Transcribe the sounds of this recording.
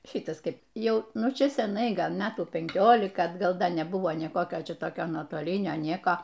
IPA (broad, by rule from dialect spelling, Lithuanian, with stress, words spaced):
ˈʃʲɪtɐs ˈkɐɪp ˈjɛʊ nʊˈt͡ʃʲɛ sʲɛˈnɐɪ ˈɡɐlˠ ˈmʲæːtuː pʲɛŋʲˈkʲoːlʲɪkɐ ɐdˈɡɐlˠ ˈdɐ nʲɛˈbʊʋoː ˈnʲeː ˈkoːkʲoː ˈt͡ʃʲɛ toːˈkʲoː nuɔtoːˈlʲɪnʲoː ˈnʲiɛkoː